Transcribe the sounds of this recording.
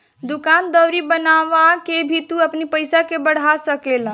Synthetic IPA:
d̪ʊkand̪əwɾibənaʋakebʱit̪uəpnipəjsakebəɽ̤asəkel

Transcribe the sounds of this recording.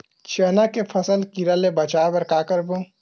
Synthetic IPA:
t͡ʃʰəːnakepʰɐsəlkiɾalebɐt͡ʃaːbɐɾkaːkəɾbũ

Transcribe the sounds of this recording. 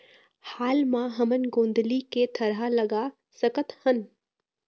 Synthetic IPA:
haːlmãɦɐmənɡõːnd̪liket̪ʰɐɾɦalɐɡaː | səkət̪hən

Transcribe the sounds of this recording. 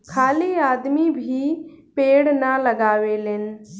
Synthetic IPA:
kʰaːliaːd̪mibʱipeːɽnalɐɡaːʋelɪnɪ̆

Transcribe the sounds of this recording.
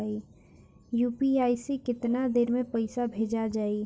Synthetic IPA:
i | juːpiaːisekɪt̪nad̪eːɾmepəɪsabʱed͡ʒad͡ʒaːi

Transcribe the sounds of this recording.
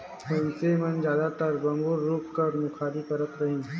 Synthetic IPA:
ɦʊnsemənd͡ʒjaːd̪at̪əɾbɐmɡuɾːuːpkəɾmʊkʰaːɾipəɾət̪ɾɐɦẽː

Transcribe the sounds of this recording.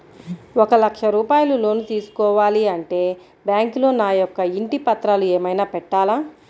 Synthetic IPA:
ɔkɐlɐkʂɐɾuːpaːjɐlulo̞ːnut̪iːsu̥kɔːʋaːliɐɳʈe̞ː | bjaːŋklo̞ːnaːjɔkːɐiɳʈipɐt̪ɾaːlueːmɐjnaːpɛʈːaːlaː

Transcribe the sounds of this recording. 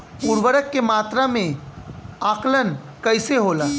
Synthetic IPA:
puːɾʋəɾəkːemaːt̪ɾamẽ | aːklən | kəɪseɦoːlaː

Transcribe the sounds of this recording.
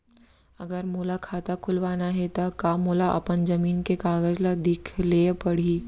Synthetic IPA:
ɐɡəɾmoːlakʰaːt̪akʰʊlʋaːnaɦɛt̪akaːmoːlaʔɐ̰pənzɐmiːnkekaːɡəd͡ʒlad̪ɪkʰlepɐɽ̤iː

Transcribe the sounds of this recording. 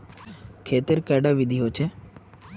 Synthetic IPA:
kʰeːt̪ɪɾkɛːɖaʋɪd̪ʱiɦoːt͡ʃʰeː

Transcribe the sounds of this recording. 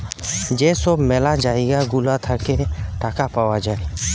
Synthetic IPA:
d͡ʒeːsobmeːlad͡ʒaːeɡaɡʊlat̪ʰəɾkeʈaːkapaːwad͡ʒaːe

